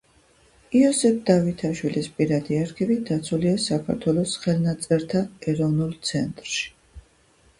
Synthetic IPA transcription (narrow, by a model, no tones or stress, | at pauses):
iɔsɛp̚ʰd̪avit̪ʰaʃwilispʼiɾad̪iaɾkʰɛbid̪at̪sʰuliasakʰa̰ɾt̪ʰwɛlˠɔsχɛlˠnat̪sʼɛɾt̪ʰaɛɾɔvnulˠt̪sʰɛnt̪ʼɾʃi̥